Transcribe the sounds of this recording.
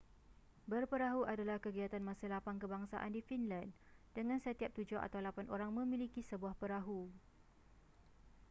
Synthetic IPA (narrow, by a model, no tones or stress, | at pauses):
bərpəɾaɦuʔadalahkəɡiat̪anmãsəlapankəbaŋsa̰ʔa̰ndifinlan | dəŋãnsət̪iap̚t̪ud͡ʒʊɦa̰t̪awlapanʔoɾaŋmə̃mĩlikisəbuahpəɾaɦu